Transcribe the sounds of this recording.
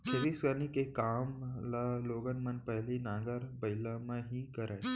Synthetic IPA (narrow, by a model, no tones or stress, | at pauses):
kʰeʋisɡənikekaːmlaloːɡənmɐnpɛɦlinãːɡəɾbɐɪlamẽɦikɐɾeː